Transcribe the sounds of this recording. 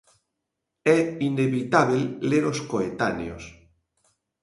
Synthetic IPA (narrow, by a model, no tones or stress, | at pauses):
ɛineβit̪aβelleɾoskoet̪a̰nj̰os